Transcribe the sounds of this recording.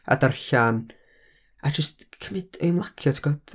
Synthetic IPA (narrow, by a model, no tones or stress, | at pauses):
a̰darɬan | ad͡ʒəstkʰəmɪd̥ejmlˠakʰjɔtʰɡ̥ɔd̥